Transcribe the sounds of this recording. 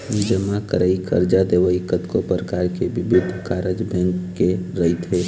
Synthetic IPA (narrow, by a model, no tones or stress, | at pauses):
id͡ʒəmakə̰ɾəikʰə̰ɾd͡ʒad̪eːʋəikət̪kopɾəkaːɾkeʋɪbʊd̪ʱːkaːɾəd͡ʒbʱɛ̃ŋkːeɾəit̪ɦeː